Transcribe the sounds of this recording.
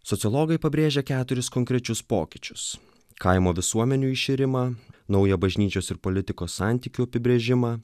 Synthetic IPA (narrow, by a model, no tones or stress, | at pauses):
sɔt̪sʲɪlˠoːɡɐɪpɐbʲɾʲeːʒʲɛkʲæːt̪ʊɾʲɪskɔŋʲkɾʲɛt͡ʃʲʊspo̰ːkʲɪt͡ʃʲʊ̥s | kɐɪmoːʋʲɪsuɔmʲɛnʲuːɪʃʲɪɾʲɪmɐnɒʊjɛbɐʒʲnʲiːt͡ʃʲoːsɪɾpoːlʲɪt̪ʲɪkoːsːɑˑnʲt̪ʲiːkʲuɐpʲɪbʲɾʲeːʒʲɪmɐː